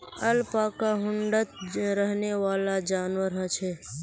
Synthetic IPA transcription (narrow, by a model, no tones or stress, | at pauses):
əlpaːkaɦʊɳɖət̪̚ɾəɦneʋaːlad͡ʒaːnwəɾɦə̃t͡ʃʰɛː